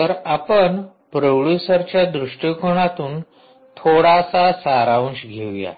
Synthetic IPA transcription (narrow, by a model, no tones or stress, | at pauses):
t̪əɾapəɳ | pɾəwɭjusəɾt͡ɕjad̪ɾuʂʈjəkoɳ̃at̪uːn | t̪ʰoɽasasaɾaũɕɡʱeʋja̰